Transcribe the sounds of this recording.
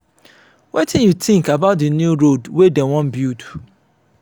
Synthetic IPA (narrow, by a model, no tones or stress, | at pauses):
wetʰĩnjutʰĩŋkabaʊt̚dənjuɾodwedɛ̃wɔ̃nbit